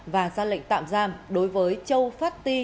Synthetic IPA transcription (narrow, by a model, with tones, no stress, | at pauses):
vaː˨˩zaː˧lḭ˧˨ŋ̟t̪a̰ː˧˨mzaː˧mɗo˨˦jvəː˨˦jt͡ɕə˧wfaː˦˥t̚t̪i˧